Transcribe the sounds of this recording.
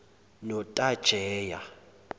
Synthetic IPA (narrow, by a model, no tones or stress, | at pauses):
nɔtʼad̥ʒ̥ʱɛːja